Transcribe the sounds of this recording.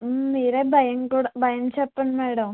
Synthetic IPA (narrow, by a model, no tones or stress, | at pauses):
niːɾeːbʱɐjɐŋkuːɽɐbʱɐjɐmt͡ɕɛpːɐɳmeːɽɐm